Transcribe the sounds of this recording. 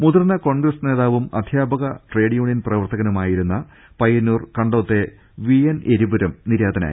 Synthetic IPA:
muðurnɐko̞ːɳɡrɐsne̞ːðaːʋumɐ̰d̪ʱjaːbɐɣɐʈre̞ːɽjuːɳjinprɐʋɐrt̪ɐɣɐnumaːjiɾunːɐ | pɐjɐnːuːrkɐɳɖoːt̪ːe̞ | ʋieneɾibuɾɐmniɾaːd̪ɐna̰ː

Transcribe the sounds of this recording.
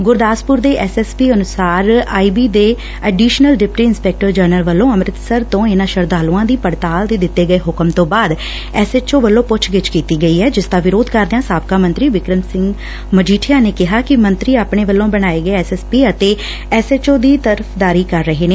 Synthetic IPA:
ɡʊɾd̪aːspʊɾd̪eːʔɛsɛːspiːənʊsaːɾaːiːbiːd̪eː | ɛːɖiːʃnəlɖɪp̚ʈiːɪnspɛːk̚ʈəɾd͡ʒəːɾnəlʋəlːõːəmɾɪt̪səɾt̪õːɪnãːʃəɾd̪aːlũãːd̪iːpəɽt̪aːld̪eːd̪ɪt̪ːeːɡəeːɦʊkəmt̪õːbaːd̪ | ɛːset͡ʃoːʋəlːõːpʊt͡ʃʰɡɪt͡ʃkiːt̪iːɡəiːɦɛːd͡ʒɪst̪ãːʋɪɾoːd̪kəɾd̪eãːsaːb̚kaːmə̃nt̪ɾiːʋɪkɾəmsɪ̃ŋɡ | məd͡ʒiːʈʰijaːneːkɪɦaːkɪmə̃nt̪ɾiːaːpɳeːʋəlːõːbəɽ̃aːeːɡəeːɛsɛːspiːət̪eː | ɛːseːt͡ʃoːd̪iːt̪əɾəpʰd̪aːɾiːkəɾːəɦeːneː

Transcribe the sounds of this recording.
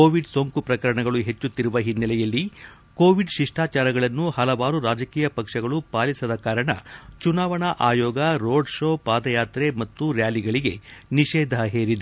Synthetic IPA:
oːʋiɖsoŋkupɾɐkɐɾɐɳɐɡɐɭuɦe̞t͡ʃːut̪ːiɾuʋɐɦinːɐlɛjɐlːi | ko̞ːʋiɖʃiʂʈʰaːt͡ʃaːɾɐɡɐɭɐnːuhɐlɐʋaːɾuɾaːd͡ʒɐkiːjɐpɐkʂɐɡɐɭupaːlisɐd̪ɐkaːɾɐɳɐ̰t͡ʃunaːʋɐɳɐʔaːjɔːɡɐɾoːɖʃoːpaːd̪ɐjaːt̪ɾemɐt̪ːuɾjaːliɡɐɭiɡe̞̰niʃɛːd̪ʱɐɦeːɾid̪e

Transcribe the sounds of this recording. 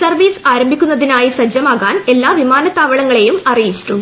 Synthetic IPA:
sɐrʋiːsaːɾɐmbʱikʲːunːɐðinaːjisɐd͡ʑjɐmaːɣaːne̞lːaːʋimaːnɐt̪ːaːʋɐɭɐŋːɐɭe̞jumɐrijit͡ɕːiʈːu

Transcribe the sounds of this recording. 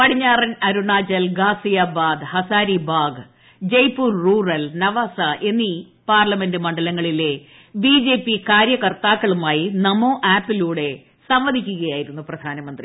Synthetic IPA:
pɐɽiɲːaːrɐnɐɾuɳaːd͡ʑɐlɡaːsijaːbaːd̪hɐsaːɾibaːɡ | d͡ʑɐjpuːrruːrɐlnɐʋaːsɐʔe̞nːi | paːrlɐme̞ndɨmɐɳɖɐlɐŋːɐɭile̞ | biːd͡ʑe̞ːpːikaːɾjɐkɐrt̪aːkːɐɭumaːjinɐmoːʔaːpːiluːɽe̞ | sɐmʋɐd̪ʱikʲːuɣɐjaːjiɾunːuprɐd̪ʱaːnɐmɐnd̪ri

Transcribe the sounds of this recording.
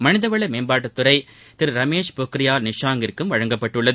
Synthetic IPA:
mɐnɪðɐʋɐɭɐmeːmbaːʈ̬ːɐt̪ːʊɾɐɪ | t̪ɪɾɾɐmeːʂpoːkːɪɾɪjaːɾnɪʂaːŋɡɪɾkːɯmʋɐɻɐŋɡɐpːɐʈːɯɭːɐðɯ

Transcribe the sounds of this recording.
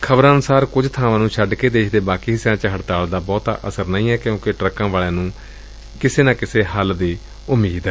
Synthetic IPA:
kʰəbɾãːnʊsaːɾkʊd͡ʒt̪ʰaːʋãːnũːt͡ʃʰəɖkeːd̪eːʃd̪eːbaːkiːɦɪsjãːt͡ʃəɦəɽt̪aːld̪aːbɔːt̪a̰ʔəsəɾnəĩːɛːkjõːkɪʈɾəkːãːʋaːlẽːnũː | kɪseːnãːkɪseːɦəld̪eː | ʊmːiːd̪ɛː

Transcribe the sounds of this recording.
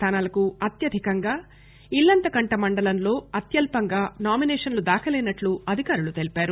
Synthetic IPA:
t̪ʰaːnaːlɐkuɐt̪jɐd̪ʱikɐŋɡaː | ilːɐnt̪ɐkɐɳʈɐmɐɳɖɐlɐnlo̞ːɐt̪jɐlpɐŋɡaːnaːminɛːʂɐnlud̪aːkʰɐlɛːnɐʈluɐd̪ʱikaːɾulut̪elipaːɾu

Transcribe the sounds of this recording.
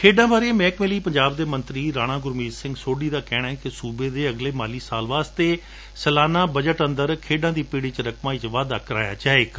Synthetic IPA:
kʰeːɖãːbaːɾeːmɛːkmeːliːpəɲd͡ʒaːbd̪eːmə̃nt̪ɾiːɾaːɽ̃ãːɡʊɾmiːzsɪ̃ŋɡsoːɖiːd̪aːkɛːɽaːɛːkɪsuːbeːd̪eːəɡleːmaːliːsaːlʋaːst̪eː | səlaːnaːbəd͡ʒəʈənd̪əɾkʰeːɖãːd̪iːpiːɽiːt͡ʃɾəkmaːiːt͡ʃʋaːd̪aːkəɾaːja̰ːd͡ʒaːeːɡa

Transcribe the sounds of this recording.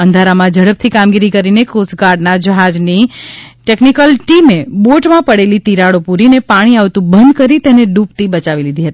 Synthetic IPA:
ənd̪ʱaɾamãd͡ʒəɽəp̚t̪ʰikamɡiɾikəɾinekosɡaɾɖnad͡ʒəɦad͡ʒniʈeknikəlʈimeboʈmãpəɽelit̪iɾaɽopuɾinepaɽ̃iaʋt̪ũbənd̪kəɾit̪eneɖupt̪ibət͡ʃaʋilid̪ʱiɦət̪i

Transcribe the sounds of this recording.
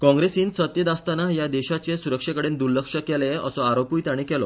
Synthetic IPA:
kɔ̃ŋɡɾesiːnsət̪jəd̪ast̪anajad̪ɛɕat͡ɕesuɾəkʂəkəɽend̪uɾləkʂəkɛleə̰sɔaɾopuːjt̪aɽ̃ikɛlɔ

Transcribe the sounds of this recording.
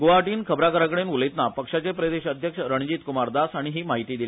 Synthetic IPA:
ɡoʋaʈiːnkʰəbɾakəɾakəɽenuləjt̪napəkʂat͡ɕepɾəd̪eɕəd̪ʱjəkʂəɾəɳ̃d͡ʑiːt̪kumaɾd̪asaɽ̃iɦiːmaɦit̪iːd̪ili

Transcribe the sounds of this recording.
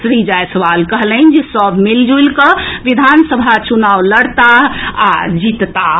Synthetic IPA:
sɾid͡ʒajsəʋalkəɦlənd͡ʒesəbʱmild͡ʒulkəʋid̪ʱansəbʱat͡ʃunawləɽt̪aɦad͡ʒit̪t̪a

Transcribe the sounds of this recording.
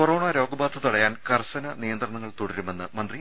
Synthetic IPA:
oro̞ːɳaːɾo̞ːɡɐbaːd̪ʰʱɐt̪ɐɽɐjaːnkɐrsɐnɐnijɐnd̪rɐɳɐŋːɐɭt̪uɽɐɾume̞nːɨmɐnd̪ri

